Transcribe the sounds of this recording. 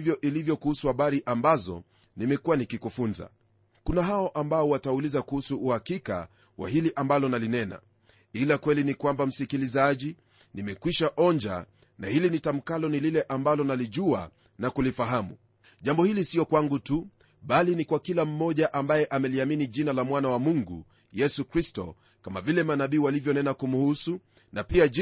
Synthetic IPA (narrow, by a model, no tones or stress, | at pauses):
vjɔʔilivjɔkuhusuhaɓaɾiʔambazɔ̰ | nimɛkuwanikikufunza̰ | kunaɦaɔʔambaɔwataulizakuhusuːhakika̰ | wa̰hiliʔambalɔnalinɛna̰ | ilakwɛlinikwambam̩sikilizaʄi | nimɛkwiʃaʔɔɲd͡ʒa̰ | na̰hilinitam̩kalɔnililɛʔambalɔnaliʄua̰ | nakulifaɦamṵ | ʄambɔhilisiɔkwaŋɡutu | ɓalinikwakilam̩mɔʄaʔambajɛʔamɛliaminiʄinalamwanawamuŋɡṵ | jɛsukɾistɔ̰ | kamavilɛmanaɓiːwalivjɔnɛnakumuhusu | napia